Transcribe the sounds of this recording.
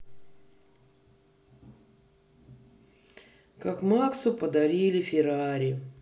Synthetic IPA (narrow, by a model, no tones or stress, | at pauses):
kakmaksʊpəd̪ɐɾʲilʲɪfʲɪɾaɾʲɪ